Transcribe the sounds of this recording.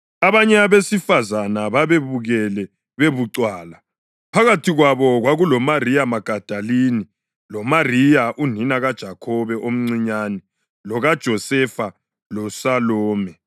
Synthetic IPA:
aβaɲɛaβesifazanaβaβeβuɣɛlɛ | βeβuǀwaːla | pʰaɣatʰiɣwaβɔɣwaɣulɔmarijamaɡ̥ʱad̥ʱaliːni | lɔmarijaʔun̤inaɣad̥ʒ̥ʱakʰɔβɛʔom̩ŋ͡ǀiɲaːni | lɔɣad̥ʒ̥ʱɔsɛfa | lɔsalɔːmɛ

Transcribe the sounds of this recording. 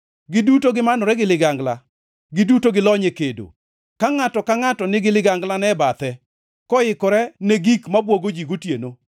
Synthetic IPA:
ɡɪdutoɡɪmanɔɾɛɡɪlɪɡaŋɡla | ɡɪdutoɡɪlɔɲekedo̰ | kaŋatɔkaŋatɔnɪɡɪlɪɡaŋɡlanɛbat̪ɛ | kɔɪkɔɾɛneɡikmabwoɡod͡ʒiɡotjeno

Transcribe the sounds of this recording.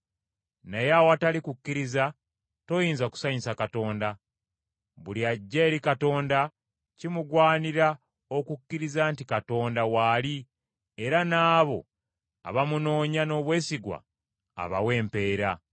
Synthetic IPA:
nejawatalikukːiɾiza | to̞jiːnzaku̥saɲisakato̞ːnda | βuliaɟːe̞ːɾikato̞ːnda | cimuɡwaːniɾa | o̞kukːiɾizaːntikato̞ːndawaːli | e̞ɾanaːβo̞̰ | a̰βamuno̞ːɲano̞ːβwe̞ːsiɡwa̰ː | βa̰we̞ːmpe̞ːɾa

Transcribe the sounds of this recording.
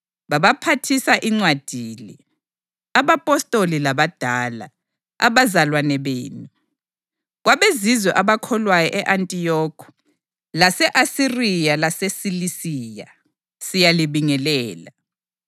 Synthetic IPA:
βaβapʰatʰisaʔiŋ͡ǀwad̥ʱiːli | aβapʼɔstʼolilaβad̥ʱaːla̰ | a̰βazalwanɛβeːnu | ɣwaβezizwɛʔaβakʰɔlwajɔʔɛʔantʼijɔːkʰɔ̥ | lasɛʔasirijalasesilisiːja | sijaliβiŋɛlɛːla

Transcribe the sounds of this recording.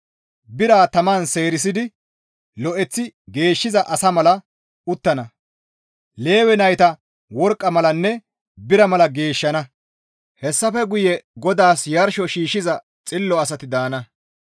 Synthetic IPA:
bɪɾaːt̪ɐmaːnse̞ːɾɪs̬ɪd̪ɪ | lɔʔɛt͡sːɪɡe̞ːʃːɪzɐʔɐsɐmɐlɐ | ʊt̪ːɐnɐ | le̞ːwɛnɐjt̪ɐ | wɔɾkʼːɐmɐlɐnːɛ | bɪɾɐmɐlɐɡe̞ːʃːɐnɐ | hɛsːɐfɛɡʊjɛɡɔd̪aːsjɐɾʃɔʃiːʃːɪzɐ | t͡sʼɪlːɔɐsɐt̪ɪd̪aːnɐ

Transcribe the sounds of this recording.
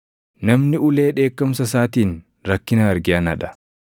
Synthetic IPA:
nɐmnɪʊle̞ːᶑe̞ːkːɐmsɐs̬aːt̪iːn | ɾɐkːɪnɐɐɾɡɪɐnɐᶑɐ̥

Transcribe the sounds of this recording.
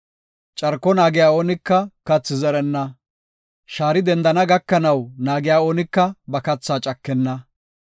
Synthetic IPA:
t͡ʃʼɐɾkːɔnaːɡɪjaːoːnɪkːɐkɐt͡sːɪzɛɾɛnːɐ | ʃaːɾɪd̪ɛnd̪ɐnɐɡɐkːɐnɐwnaːɡɪjaːoːnɪkːɐbɐkɐt͡sːaːt͡ʃʼɐkːɛnːɐ

